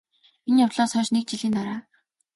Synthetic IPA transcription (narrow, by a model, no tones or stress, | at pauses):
injawt̪ɮɔːsœːʃnek̚t͡ɕiɮiːnt̪aɾaː